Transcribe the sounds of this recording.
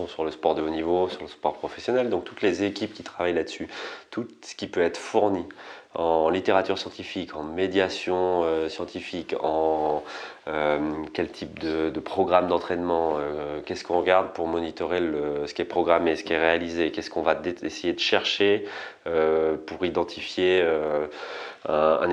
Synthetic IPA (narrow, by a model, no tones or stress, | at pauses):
ɔ̃syʁləspɔʁd̪əonivosyʁləspɔʁpχɔfɛsjɔnɛld̪ɔ̃k̚t̪ut̪lezekʲip̚kʲit̪χavajlad̪əsyt̪ʰusə̥kʲipøɛt̪χəfuʁni | ɑ̃lit̪eʁat̪yʁsjɑ̃t̪ifikʰɑ̃med̪jasjɔ̃øsjɑ̃t̪ifikɑ̃ | ømkʲɛlt̪ʰip̚d̪əd̪əpχɔɡʁamd̪ɑ̃t̪χɛnmɑ̃økʲɛskɔ̃ʁəɡaʁd̪̚puʁmɔnit̪ɔʁeləsə̥kʲiɛpχɔɡʁamesə̥kɛʁealizekʲɛskɔ̃vad̪esejed̪əʃɛʁʃeøpuʁid̪ɑ̃t̪ʰifjeø | ɛ̃ɛ̰̃